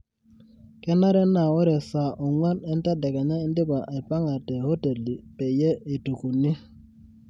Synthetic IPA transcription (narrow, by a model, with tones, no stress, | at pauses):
kɛ˦na˦ɾɛ˦na˨wɔ˦ɾɛ˨sa˨ɔ˨ŋwa˦nɛ˦n˦ta˦dɛ˨kɛ˨ɲa˦e˦n˦dɪ˦ba˨ʔɛ˨pa˦ŋa˨tɛ˨ho˦te˨li˨pɛ˨jɛ˦i˨tu˨ku˨ni˦